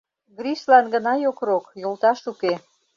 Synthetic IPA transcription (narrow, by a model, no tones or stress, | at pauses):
ɡɾiʃlɑnɡənɑjokrokjolt̪ɑʃuke